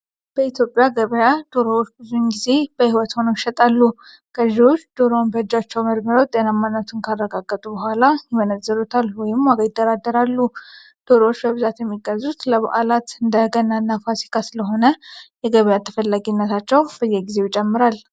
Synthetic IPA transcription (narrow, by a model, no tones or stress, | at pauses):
b̥əit̪jo̞pʼːjaɡəβəjad̪̥o̞ɾowot͡ʃːbɨzunɡize̞b̥əhiwɔt̪ho̞noɪʃɛt̪ʼalːu | kəʒiwo̞t͡ʃːd̪̥o̞ɾownbəhɨd͡ʒat͡ʃːɛwməd̪məɾawt̪ʼenamːanːət̪ʰunkʰarːəɡaɡːət̪ʼubəhʷalajɪmənəzːəɾut̪ʰalwɔjɪmːaɡəjɪd̪ːəɾad̪əɾalːu | d̪̥o̞ɾəwot͡ʃːbəβɨzat̪jɛmːiɡəzːut̪ləβa̰ʔalat̪ɨnd̪əɡənːanːafasi̥kʰasɨləɦo̞nəjɛɡəβəjat̪ʰə̥fəlːaɡinːət̪ʰat͡ʃːɛwbəjːɛɡize̞wt͡ʃʼɛmːɨɾal